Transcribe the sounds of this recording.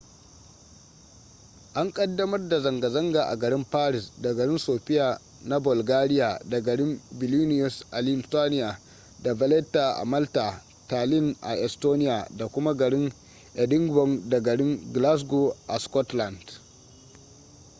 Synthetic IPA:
ʔa˦ŋkʼɐ˦dːɐ˦mɐ˦rda˨zɐ˨ŋɡa˨zɐ˦ŋɡa˨ʔa̰˨ɡɐ˨ɾɪ˦mpaː˦ɾɪ˨sda˨ɡɐ˨ɾɪ˦nsoː˨ɸɪ˦jaː˨ | na˦bʊ˨lɡaː˦ɾɪ˦ja˨da˨ɡɐ˨ɽɪ˦mbɪ˨lu˦nɪ˦ɔ˨sʔa˨lɪ˦nstaː˦nɪ˦ja˨ | da˨vɐ˨lɛ˦tːa˨ʔa̰˨mɐ˦lta˨ | taː˨lɪ˦nʔa̰˨ʔɛ˨stoː˦nɪ˦jaː˨da˨kʷʊ˦ma˦ɡɐ˨ɽɪ˦ŋ | ʔɛ˨dɪ˦ŋɡbɔ˦˨ŋda˨ɡɐ˨ɽɪ˦ŋɡla˦s̬ɡo˨ʔa˨skɔ˦tla˨nd̥

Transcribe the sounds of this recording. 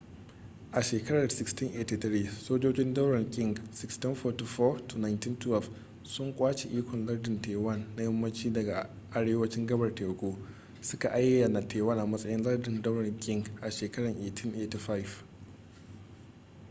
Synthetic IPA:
ʔa˨ʃeː˨kɐ˦ɽɐ˨rsɪ˦kstɪ˦ŋʔeː˨ti˦t̪ɾiː˦soː˦d͡ʒoː˦d͡ʒɪ˦ndɐ˦wɾɐ˨ŋkʲʼɪ˦˨ŋɡsɪ˦kstɪ˦ɸɔː˨ti˨fɔ˦tu˨na˨ɪntɪ˦ntwɛ˦˨lf | sʊ˦ŋkʷʼaː˦t͡ʃe˨ʔiː˦kʷɔ˨nlɐ˦rdɪ˨nteː˨wɐ˦˨nːa˦jɐ˦mːɐ˦nt͡ʃiː˦dɐ˨ɡa˨ | ʔa˨ɽeː˦wɐ˦t͡ʃɪ˦ŋɡɐ˦bɐ˨rteː˨ɡʷoː˦ | sʊ˦ka˨ʔa˦jːɐ˨na˨tʰeː˨wɐ˦nʔa˨mɐ˦sʼɐ˦jɪ˦nlɐ˦rdɪ˨ndɐ˦wɽɐ˨ŋkʲʼɪ˦ŋɡʔa˨ʃeː˨kɐ˦ɽɐ˨ŋʔeː˨tʰɪ˦nʔe˨ti˦ɸa˦jf

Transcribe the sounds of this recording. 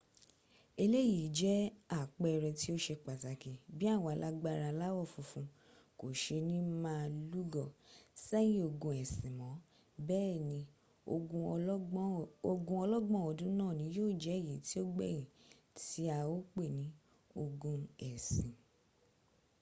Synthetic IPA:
e˧le˦ji˨˦d͡ʒɛ˦a˦˨k͡pɛ˦˧ɾɛ˧ti˦o˦ʃe˧k͡pa˨ta˨ki˨bĩ˦a˦˨wa˨˧la˦ɡ͡ba˧ɾa˧la˦wɔ˦˨fũ˧fũ˧˦ | ko˨ʃe˧nĩ˦mãː˦lu˦ɡɔ˦˨sɛ˦jĩ˦o˧ɡũ˧ɛ˨sĩ˨mɔ̃˨˦ | bɛː˦˨nĩ˧˦ | o˧ɡũ˧˦ | o˧ɡũ˧ɔ˧lɔ˦ɡ͡bɔ̃˦ɔ˧dũ˦nãː˦˨nĩ˨˦joː˦˨d͡ʒɛ˨˦˨ji˨˦ti˦o˦ɡ͡bɛ˦˨jĩ˨ | ti˨˦a˧wo˦k͡pe˦˨nĩ˨˦ | o˧ɡũ˧ɛ˨sĩ˨

